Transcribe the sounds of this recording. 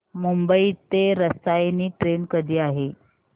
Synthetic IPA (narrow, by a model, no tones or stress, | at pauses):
mumbəiːt̪ːeɾəst̪ajniːʈɾenkəd̪ʱiːaɦe